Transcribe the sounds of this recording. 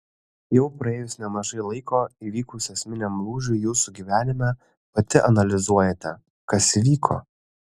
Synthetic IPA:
jɛʊpɾɐeːjʊsnʲɛmɐʒɐɪlˠɐɪkoːiʋʲiːkʊsɛsʲmʲɪnʲɛmlˠuːʒʲʊɪjuːsuɡʲiʋʲæːnʲɪmʲɛ | pɐt̪ʲɪʔɐnɐlʲɪzuɔjɛt̪ʲɛ | kɐsiʋʲiːkʰo̰ː

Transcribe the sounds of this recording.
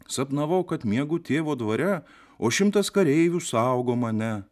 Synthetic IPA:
sɐpnɐʋɐʊkɐt̪mʲiɛɡʊt̪ʲeːʋoːd̪ʋɐɾʲɛ | oːʃʲɪmt̪ɐskɐɾʲɛɪʋʲuːsɑʊɡoːmɐnʲɛ

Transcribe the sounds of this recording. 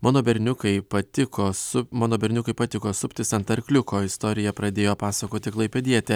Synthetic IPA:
mɑːnoːbʲɛɾʲnʲʊkɐɪpɐt̪ʲɪkoːsʊmaːnoːbʲɛɾʲnʲʊkɐɪpɐt̪ʲɪkoːsʊpʲt̪ʲɪsɐnt̪ɐɾʲkʲlʲʊkoːɪst̪oːɾʲɪjɛpɾɐd̪ʲeːjoːpɑːsɐkoːt̪ʲɪklˠɐɪpʲɛd̪ʲiɛt̪ʲɛ

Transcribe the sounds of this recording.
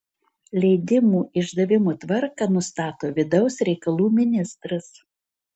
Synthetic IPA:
lʲɛɪd̪ʲɪmuːʔɪʒd̪ɐʋʲɪmuːt̪ʋɐɾkɑnʊst̪ɑːt̪oːʋʲɪd̪ɐʊsɾʲɛɪkɐlˠuːmʲɪnʲɪst̪ɾɐs

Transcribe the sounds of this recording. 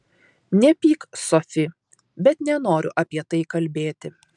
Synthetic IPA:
nʲɛpʲiːksɔfʲɪ | bʲɛt̪nʲɛnoːɾʲʊ̰ʔɐpʲiɛt̪ɐɪkɐlʲbʲeːt̪ʲɪ

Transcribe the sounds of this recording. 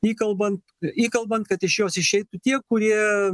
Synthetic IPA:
iːkɐlˠbɐnt̪ | iːkɐlˠbɐnt̪̚kɐt̪ɪʃjoːsɪʃʲɛɪt̪ʊt̪ʲiɛkʊɾʲiɛɛ

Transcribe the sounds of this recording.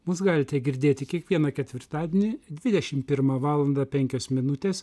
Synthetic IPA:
mʊsɡɑːlʲɪt̪ʲɛɡʲɪɾʲd̪ʲeːt̪ʲɪkʲiɛkʋʲiɛnɐkʲɛt̪ʲʋʲɪɾt̪ɑːd̪ʲenʲɪd̪ʲʋʲɪd̪ʲɛʃʲɪmpʲɪɾmɑʋɑːlˠɐnd̪ɑpʲɛŋʲkʲoːsmʲɪnʊt̪ʲeːs

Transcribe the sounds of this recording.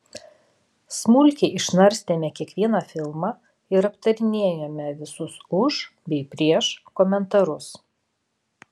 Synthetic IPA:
smʊlʲkʲeʔɪʃnɐɾʲsʲt̪ʲeːmʲɛkʲiɛkʋʲiɛnɑfʲɪlˠmɑː | ɪɾɐpt̪ɐɾʲɪnʲeːjɛmʲɛʋʲɪsʊsʊʒbʲɛɪpʲɾʲiɛʃkɔmʲɛnt̪ɐɾʊs

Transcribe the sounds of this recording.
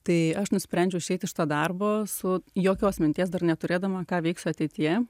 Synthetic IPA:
t̪ɐɪɐʃnʊsʲpʲɾʲɛnʲd͡ʒʲʊɪʃʲɛɪt̪ɪʃt̪oːd̪ɐrboːsʊjoːkʲoːsmʲɪnʲt̪ʲiɛs̬d̪ɐrnʲɛt̪ʊɾʲeːd̪ɐmɐkɑːʋʲɛɪksʲʊɐt̪ʲɛɪt̪ʲɪjɛ

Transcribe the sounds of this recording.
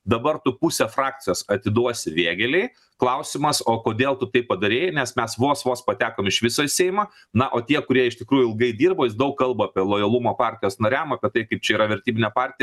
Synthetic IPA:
d̪ɐbɐrt̪ʊpusʲɛfrɑːk̚t̪ʲɪjoːsɐt̪ʲɪd̪uɔsʲɪʋʲeːɡʲɛlʲɛɪ | klˠɐʊsʲɪmɐsoːkoːd̪ʲeːlˠt̪ʊt̪ɐɪppɐd̪ɐɾʲeːjnʲɛsmʲɛsʋoːsʋoːspɐt̪ʲæːkoːmɪʃʋʲɪsoːɪsʲeːjmɐ | nɐʔoːt̪ʲiɛkʊɾʲiɛɪʃt̪ʲɪkɾuːjʊɪlˠɡɐɪd̪ʲiːrboːjɪsd̪ɐʊkkɐlˠboːɐpʲiɛlˠoːjɐlˠumoːpɑːɾʲt̪ʲɪjoːsnɐɾʲæmɐpʲiɛt̪ɐɪkɐɪp̚t͡ʃʲɛiːɾɐʋʲɛɾʲt̪ʲiːbʲɪnʲɛpɑːrʲt̪ʲɪjɛ

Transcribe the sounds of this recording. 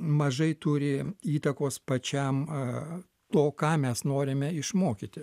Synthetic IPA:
mɐʒɐɪt̪uːɾʲɪiːt̪ɐkoːspɐt͡ʃʲɛm | t̪oːkɑːmʲɛsnoːɾʲɪmʲɛɪʃmoːkʲit̪ʲɪ

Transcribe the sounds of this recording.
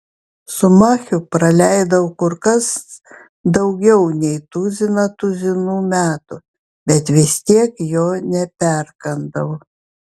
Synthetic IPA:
sʊmɑːxʲʊpɾɐlʲæˑɪd̪ɐʋʊkʊɾkɐs | d̪ɐʊɡʲɛʊnʲɛɪt̪uzʲɪnɐt̪ʊzʲɪnuːmʲæːt̪ʊ | bʲɛt̪ʋʲɪsʲt̪ʲiɛkjoːnʲɛpʲɛɾkɐnd̪ɐʋʊ

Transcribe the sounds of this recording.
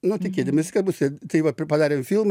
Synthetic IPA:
nʊt̪ʲɪkʲeːt̪ʲɪmʋʲɪsʲɪkɐbusʲɪt̪ɐɪʋɐpʲpɐd̪ɑːɾʲemfʲilˠm

